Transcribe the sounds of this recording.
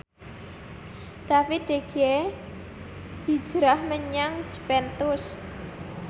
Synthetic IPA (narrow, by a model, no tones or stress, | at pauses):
d̪̥afit̪̚d̪̥eɡ̥e | b̥i̥d͡ʒ̥ɾahməɲaŋd͡ʒ̥pɛnt̪ʊs